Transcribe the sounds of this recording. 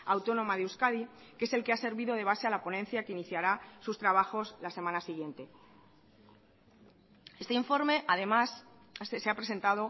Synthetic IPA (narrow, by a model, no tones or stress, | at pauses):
awt̪o̞nõ̞maðeuskaði | kee̞se̞lke̞ase̞ɾβiðo̞ð̞e̞βase̞alapo̞nẽ̞n̟θjakeiniθjaɾasust̪ɾaβ̞axo̞slase̞mãnasiɣ̞je̞nt̪e̞ | e̞st̪eiɱfo̞ɾme̞ʔaðe̞mas | seapɾe̞se̞nt̪að̞o̞